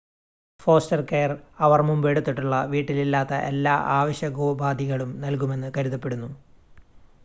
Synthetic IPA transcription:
fo̞ːstɐrkejɐrɐʋɐrmumbeɽut̪ːiʈːuɭːɐʋiːʈːililːaːt̪ːɐʔe̞lːaːʔaːʋɐɕjɐɡoːbaːd̪ʱiɣɐɭumnɐlkume̞nːɨkɐɾuðɐpːe̞ɽunːu

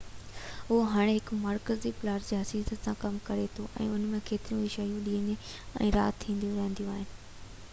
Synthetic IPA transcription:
ɦʊɦoɦaːɽ̃eɦɪkmaɾkəzipɪlaːɾd͡ʑeɦɐsiːzəsãkɐmkɐɾet̪ʰoʔɛ̰̃ːʊnmẽkʰeːt̪ɪɾijũɪʃaːjũɗiːəɲe | ɛ̰̃ːɾa̰ːt̪t̪ʰːĩːn̆d̪ijũɾɛ̃ɦːnd̪ijũaːɦɪnɪ̆

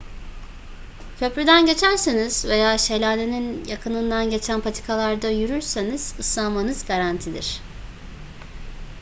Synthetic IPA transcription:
cʰø̞pɾyd̪ænɟe̞t͡ʃʰæɾseniz̥ve̞jaːʃe̞lʲaːneninjakʰɯnɯnd̪anɟe̞t͡ʃʰænpʰat̪ʰi̥kʰalˠaɾd̪ajyɾyɾseniz̥ɯsˠanmanɯzɡaɾant̪ʰid̪ḭɾ̝̥

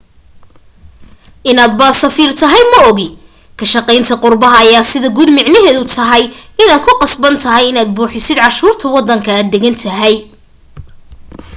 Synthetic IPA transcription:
ʔɪnaːd̪baːsɐfiːrt̪ʰɐɦɛjmɐɔɣɪ | kʰɐʃɐqɛjnt̪ʰɐqʊrbɐɦɐːjaːsɪðɐɡuːd̪mɪʕnɐɦɛːðʊt̪ʰɐɦɛjɪnaːd̪̚kʰʊqɑsbɐnt̪ʰɐɦɛjɪnaːd̪̚buːħɪsɪd̪ʕɑʃuːrt̪ʰɐwɑd̪ɐŋkʰɐaːd̪ːɛɣɐnt̪ʰɐɦɛj

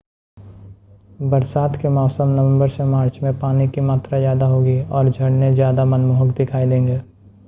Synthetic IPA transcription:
bɐɾsaːt̪kemɔːsəmnɐʋə̃mbəɾsemaːɾt͡ʃmẽpaːnikimaːt̪ɾazjaːd̪aɦoːɡiɔːɾd͡ʒʱɐɽnezjaːd̪amɐnmuːɦəkd̪ɪkʰaːid̪ẽːŋɡeː

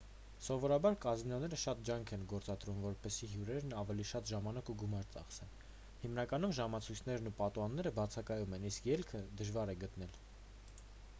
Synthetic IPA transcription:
sɔvɔɾɑbɑɾkɑzinɔnɛɾəʃɑt̪̚d͡ʒɑŋkʰɛnɡɔɾt͡sɑd̪ɾumvɔɾpɛsiɦjuɾɛɾnɑvɛliʃɑt̪ʒɑmɑnɑkuɡumɑɾt͡sɑ̰χsɛn | himnɑkɑn̪umʒɑmɑt͡sʰujt͡sʰnɛɾnupɑt̪uɑnːɛɾəbɑt͡sʰɑkɑjumɛniskjɛlkʰəd̪əʒvɑɾɛɡət̪n̪ɛl

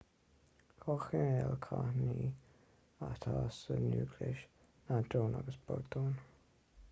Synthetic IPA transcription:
kʰɔːxɪɹɛlkʰahniː | at̪ʰaːsənjuːɡlɪʃ | nad̪ɾoːnaɡəsb̥ɔɹt̪oːn

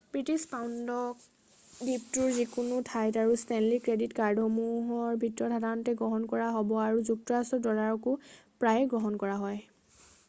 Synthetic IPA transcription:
bɹitispawndɔk | diptuɹzikunʊtʰajtaɹustɛnlikɹeditkaɹdʱɔmuɦɔɹbʱitɹɔdʰʱadanɔtɛɡɹɔɦɔnkɔɹaɦɔbɔaɹuzuk̚tɔɹasɔdɔɹaɹɔkʊpɹajɡɹɔɦɔnkɔɹaɦɔj

